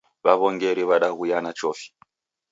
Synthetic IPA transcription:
βaβɔŋɡɛɾɛβaɗaɣujanat͡ʃɔfi̥

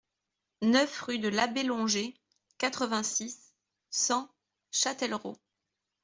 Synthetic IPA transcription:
nœfʁyd̪əlabelɔ̃ʒe | kat̪χəvɛ̃sisː | ɑ̃ | ʃat̪ɛlʁo̰

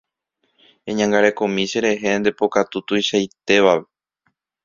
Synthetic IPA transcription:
ẽɲãŋɡaɾe̞kõmĩʃe̞ɾe̞ɦeẽnd̪e̞po̞kat̪ut̪ujʃajt̪e̞ʋaʋe

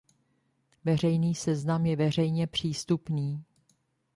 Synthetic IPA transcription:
vɛr̝ɛjniːsɛznamjɛvɛr̝ɛjɲɛpr̝̥iːst̪upniː

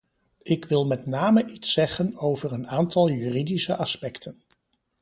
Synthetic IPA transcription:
ɪkʋɪlˠmɛtnaːməʔitsɛχənowvəɹənaːntɑlˠjyːridisəʔɑspɛktən

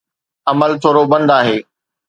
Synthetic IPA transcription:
ɐməlt̪ʰoːɾobɐ̃nd̪aːɦeː

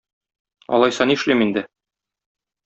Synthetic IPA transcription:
ɒ̰lˠɑjsɑniʃlimind̪ɘ

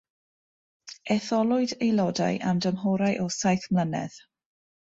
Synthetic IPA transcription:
ɛθɔlˠʊɨdejlˠɔda̰jʔamdəmɦɔɾajʔɔsajθmlənɛ̰ð̥

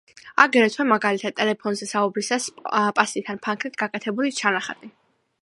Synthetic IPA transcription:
a̰ɡɾɛt̪ʰwɛmaɡalit̪ʰad̪t̪ʼɛlɛpʰɔnzɛsaubɾisaspʼasit̪ʰanpʰaŋkʰɾit̪ʰɡakʼɛt̪ʰɛbulit͡ʃʰanaχa̰d̪ʼi

